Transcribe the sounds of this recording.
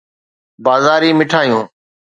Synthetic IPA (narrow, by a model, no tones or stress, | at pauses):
baːzaːɾiːmɪʈʰaːjũː